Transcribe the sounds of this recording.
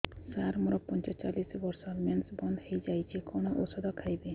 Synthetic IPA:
saɾmɔɾɔpɔnt͡ʃɔt͡ʃalisbɔɾsɔmansbɔnd̪ɔhejd͡ʒajt͡ʃʰikɔɽ̃ɔʔosɔd̪ɔkʰajbe

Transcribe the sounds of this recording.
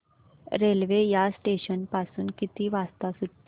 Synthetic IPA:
ɾelʋejasʈeɕənpasuːnkit̪iːʋast̪asuʈː

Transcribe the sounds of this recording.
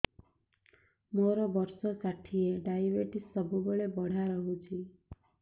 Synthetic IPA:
moɾɔbɔɾsɔsaʈʰieɖajbeʈisːəbubeɭebɔɽ̤aɾɔɦut͡ʃʰi

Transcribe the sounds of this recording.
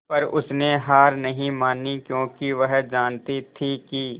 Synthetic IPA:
pɐɾʊsneɦaːɾnɐɦĩmaːnikjõːkiʋɐɦd͡ʒaːnt̪it̪ʰikiː

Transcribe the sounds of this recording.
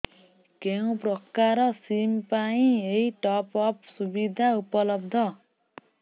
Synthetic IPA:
keũprʌkːaɾʌsimpaĩeiʈɔpʌpsubid̪ʱaupʌlʌb̚d̪ʱʌ

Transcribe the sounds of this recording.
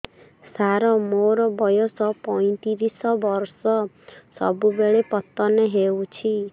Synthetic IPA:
saɾɔmoɾɔbɔjɔsɔpɔj̃t̪iɾisɔbɔɾsɔ | sɔ̰bubeɭepɔt̪ːɔneɦewt͡ʃʰi

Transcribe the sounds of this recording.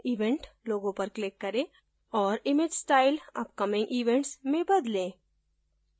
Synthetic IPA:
iːʋẽɳʈloːɡõpɐɾklɪkːɐɾẽ | ɔːɾɪmed͡ʒsʈaːɪlɐ̰p̚kɐmɪ̃ŋɡʔiːʋɛ̃ɳʈsmẽbɐd̪lẽː

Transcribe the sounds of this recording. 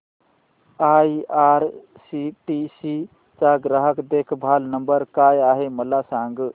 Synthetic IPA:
aiaɾ | siʈisi | t͡ʃaɡɾəɦəkd̪ekʰbʱalnəmbəɾkajaɦeməlasãŋɡ

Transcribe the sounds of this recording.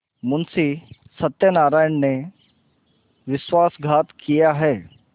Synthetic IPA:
munsiː | sət̪jənaɾajəɳne | ʋisʋasɡʱat̪kijeaɦe

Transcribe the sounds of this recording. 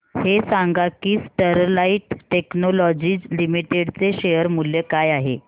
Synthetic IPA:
hesaŋɡakiːsʈəɾlaiʈʈeknolɔd͡ʑiːd͡zlimiʈeɽt͡seɕejəɾmuljekajaɦe

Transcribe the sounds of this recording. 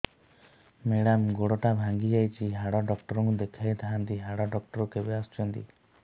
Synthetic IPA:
meɽamɡoɽɔʈabʱaŋɡid͡ʒajt͡ʃʰiɦaɽɔɖɔkʈɔɾɔŋkud̪ekʰajt̪ʰaɦant̪iɦaɽɔɖɔk̚ʈɔɾɔkebeast͡ʃɔnt̪ḭ

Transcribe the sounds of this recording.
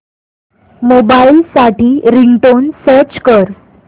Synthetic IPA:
mobailsaʈiːɾiɳʈonsəɾt͡ɕkəɾ

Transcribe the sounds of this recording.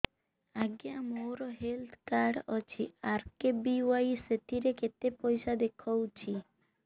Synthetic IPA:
aɡjamoɾɔɦelt̪ʰkaɾɖɔt͡ʃʰiaɾkebiajset̪iɾeket̪epɔjsad̪ekʰɔwt͡ʃʰi

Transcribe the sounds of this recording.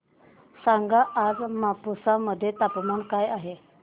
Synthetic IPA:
saŋɡaʔːd͡zmapusaməd̪ʱːjet̪apmankajaɦe

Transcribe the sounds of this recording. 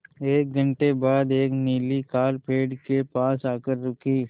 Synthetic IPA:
eːk̚ɡʱɐɳʈebaːd̪eːkniːlikaːɾpeːɖkepaːsaːkəɾːʊkʰiː

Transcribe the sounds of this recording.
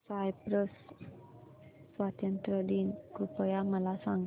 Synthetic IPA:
sajpɾəs | sʋat̪jənt̪ɾəd̪inkɾupəjaməlasaŋ

